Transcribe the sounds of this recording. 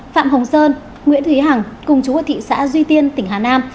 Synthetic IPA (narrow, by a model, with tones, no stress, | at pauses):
fa̰ː˧˨mɦə˨˩wŋ͡msəː˧n | ŋwḭ˧˥ənt̪ʰwi˨˦ɦa˨˩ŋkʊ˨˩ŋ͡mt͡ɕu˨˦əː˨˩t̪ʰḭ˧˨sa̰ː˧˥zwi˧t̪i˧ənt̪ï˧˩ŋ̟ɦaː˨˩naː˧m